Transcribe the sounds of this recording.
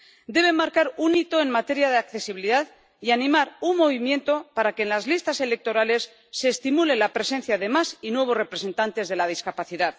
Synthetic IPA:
d̪e̞β̞e̞mːaɾkaɾunit̪o̞e̞nmat̪e̞ɾjaðeakθe̞siβiliðað | ianĩmaɾunmo̞βimje̞nt̪o̞paɾake̞ːnlazlist̪ase̞le̞k̚t̪o̞ɾale̞sː | e̞ːst̪imule̞lapɾe̞se̞n̟θjaðe̞masinwe̞β̞o̞zre̞pɾe̞se̞nt̪ant̪e̞zðe̞lað̞iskapaθiðað

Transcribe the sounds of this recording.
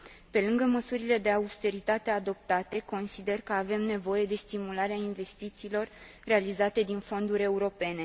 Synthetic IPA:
pe̞lɨŋɡəməsuɾile̞d̪e̞aust̪e̞ɾit̪at̪e̞ad̪o̞p̚t̪at̪e̞ko̞nsid̪e̞rkəave̞mne̞vo̞je̞d̪e̞st̪imulaɾeainve̞st̪it̪siːlo̞rː | e̞alizat̪e̞d̪info̞nd̪uɾʲe̞uɾo̞pe̞ne̞

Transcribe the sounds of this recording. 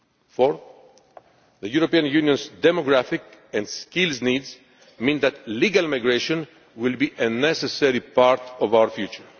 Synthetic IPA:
fɔɹθ | ðəjuɾopiãnjunjɔ̃nsd̪ɛmɔɡɹafɪkɛ̃ndskilznidz | mĩnðæt̪liɡalmajɡɹeʃɔ̃n | wɪlbiʔenɛsɛsɛɾipaɹt̪ɔvawəɹfjut͡ʃə˞

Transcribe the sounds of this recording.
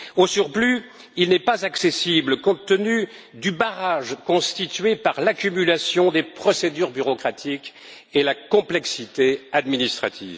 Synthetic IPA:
osyʁply | ilnɛpazaksesibləkɔ̃t̪ːəny | d̪ybaʁaʒkɔ̃st̪it̪ɥepaʁlakʲymylasjɔ̃d̪epχɔsed̪yʁbyʁɔkχat̪ʰik | elakɔ̃plɛksit̪ead̪minist̪χat̪ḭv

